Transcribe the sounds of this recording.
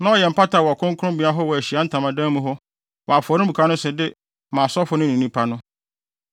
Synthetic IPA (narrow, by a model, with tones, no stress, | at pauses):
nã˦ɔ˨jɛ˨m̩˨pʰa˦tʰa˨wɔ˨kʰʊ̃˦ŋkʊ˦ʊ̃˦bĩ˨a˦ɦɔ˦wɔ˨æ˨ɕi˨a˨˦n̩˦tʰã˨mã˨dã˦mũ˦ɦɔ˦ | wɔ˨a˨fʊ˨ɔ˨ɾɪ˦bu˨kʰa˦nʊ̃˦sɛ˨dɪ˦ | mãː˨sɔ˦fʊ˨˦nʊ̃˦n˨ĩ˨nĩ˦pʰa˦nʊ̃˦